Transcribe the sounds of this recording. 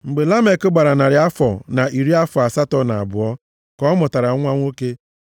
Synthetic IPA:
ŋ͡m̩˨ɡ͡be˨la˦me˨kʊ˦ɡ͡ba˨ɾa˨na˨ɾɪ˨˦a˦fɔ˨na˨ʔi˨ɾi˦a˦fɔ˨a˨sa˦tɔ˦n˨a˨bʊ˨ɔ˦ | kɔ˦mʊ˨ta˨ɾa˨˦ŋʷa˦ŋʷo˦ke˦

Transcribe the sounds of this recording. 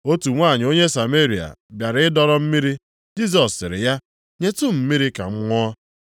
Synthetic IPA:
o˦tu˨ŋʷa˦˨ɲɪ˨o˦ɲe˦sa˨me˦ɾi˨a̰˨bja˨ɾɪ˦dɔ˦ɾɔ˦m̩˦mi˦ɾi˦ | d͡ʒi˦s̬ɔ˨sɪ˨ɾɪ̰˨ja˦ | ɲe˦tu˦m̩˦mi˦ɾi˦ka̰˨ŋ͡m̩˦ŋʷɔː˦

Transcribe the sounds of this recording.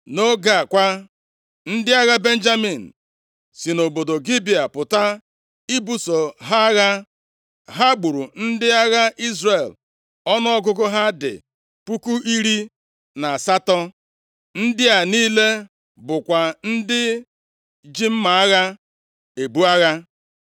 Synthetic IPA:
no˦ɡa˦˨kʷa˦ | n̩˦dɪ˦a˦ɣa˦be˦n̩˦d͡ʒa˦mi˨n̩˨ | si˨no˨bo˨do˨ɡi˦bi˨a˨pʊ˨ta˦ | i˦bu˦so˨ɦa˦ɣa˦ | ɦa˦ɡ͡bu˨ɾu˨n̩˦dɪ˦a˦ɣa˦ʔi˦zre˨l | ɔ˦nɔ˦ɔ˦ɡʊ˦ɡʊ˦ɦa˦dɪ̰˨ | pu˦ku˦ʔi˦ɾi˦ | na˨a˨sa˦tɔ˦ | n̩˦dɪ˦a˨niː˦le˦ | bʊ˨kʷa˨n̩˦dɪ˦ | d͡ʒi˦m̩˦ma˨a˦ɣa˦ | e˨bu˦a˦ɣa˦

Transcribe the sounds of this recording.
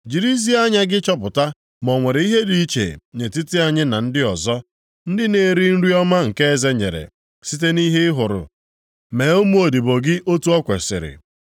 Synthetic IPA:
d͡ʒi˨ɾi˦zi˦a˦ɲa˦ɡɪ˦t͡ʃɔ˦pʊ˨ta˦ | mɔ˨ŋʷe˨ɾe˨i˦ɦe˦di˦t͡ʃḛ˨ɲe˨tɪ˦tɪ˦a˨ɲɪ˦na˨n̩˦dɪ˦ɔ˨zɔ˦ | n̩˦dɪ˦ne˨ɾi˦n̩˦ɾi˦ɔ˦ma˦ŋ̩˨ke˦e˦ze˦ɲḛ˨ɾḛ˨ | si˦t̬e˦ni˦ɦe˦ɪ˦ɦʊ˨ɾʊ̰˨ | me˨o˦m˦o˨di˨bo˨ɡɪ˦ʔo˦tu˦ɔ˦kʷḛ˨sɪ̰˨ɾɪ̰˨

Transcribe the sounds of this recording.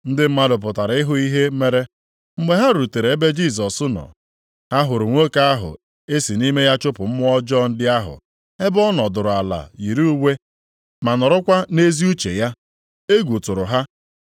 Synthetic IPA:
n̩˦dɪ˦m̩˦ma˦dʊ˨p̬ʊ˨ta˨ɾɪ˦ɦʊ˦i˦ɦe˦me˦ɾe˦ | ŋ͡m̩˦ɡ͡be˦ɦa˦ɾu˨te˨ɾe˨e˦be˦d͡ʒi˦˨s̬ɔ˨sʊ˦nɔ̰˨ | ha˦ɦʊ˨ɾʊ˨ŋʷo˦ka˦a˦ɦʊ̰˨ | e˦si˨ni˦me˦ja˦t͡ʃʊ˦pʊ˨m̩˦m˦ɔ˦d͡ʒɔ˦n̩˦dɪ˦a˦ɦʊ̰˨ | e˦bɔ˦nɔ˨dʊ˨ɾʊ˨a˨la̰˨ji˨ɾu˦u˦we˦ | ma˨nɔ˨ɾʊ˦kʷa˦ne˦zi˦u˦t͡ʃḛ˨ja˦ | e˦ɡʷu˨tʊ˨ɾʊ˨ɦa˦

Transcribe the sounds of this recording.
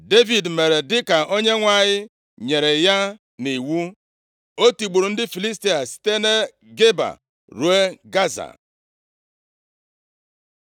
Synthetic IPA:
de˦vi˨dme˨ɾe˨dɪ˦ka˨ʔo˦ɲe˦ŋʷa˦ɲɪ˦ | ɲe˨ɾe˨ja˦ | ni˨wu˦ | o˦ti˨ɡ͡bu˨ɾu˨n̩˦dɪ˦fi˨li˦sti˦a˨si̥˦te˦ne˦ | ɡe˦ba̰˨ | ɾu˨e˦ɡa˦za̰˨

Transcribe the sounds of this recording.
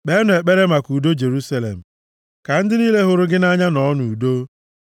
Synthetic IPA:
k͡pe˦nʊ˨e˨k͡pe˦ɾe˦ma˨ku˨do˦d͡ʒe˨ɾu˦sa˦lḛ˨m̩˨ | ka˨n̩˦dɪ˦niː˦le˦ɦʊ˨ɾʊ˦ɡɪ˦na˦ɲa˦nɔ˨˦nu˨u˨do˦

